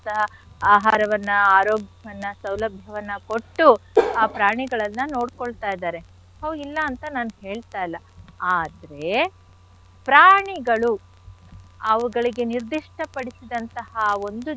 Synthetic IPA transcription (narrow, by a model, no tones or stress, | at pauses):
t̪ɐɦɐ | aːɦaːɾɐʋɐnːɐaːɾoːɡjɐʋɐnːɐsɐwlɐbʱjɐʋɐnːɐko̞ʈːuaːpɾaːɳiɡɐɭɐnːɐnoːɽkoɭt̪aːjd̪aːɾe̞ | hoːilːɐːnt̪ɐnaːnuɦe̞ːɭt̪aːjɐlːɐ | aːd̪ɐɾe̞ | pɾaːɳiɡɐɭu | ɐʋuɡɐɭiɡe̞niɾd̪iʂʈʰɐpɐɽisid̪ɐnt̪ɐhɐo̞nd̪u